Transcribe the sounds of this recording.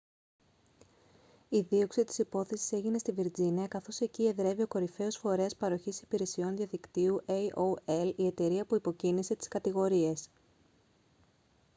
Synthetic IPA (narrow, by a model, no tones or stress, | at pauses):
iðio̞ksit̪i̥sipo̞θe̞si̥se̞ʝinest̪iviɾd͡ziniɐkɐθo̞se̞cie̞ðɾe̞vio̞ko̞ɾife̞o̞sfo̞ɾe̞ɐspɐɾo̞çisi̥piɾe̞sio̞nðjɐðikt̪iuʔeʔoelie̞t̪e̞ɾiɐpuipo̞cinise̞t̪i̥skɐt̪iɣo̞ɾie̞s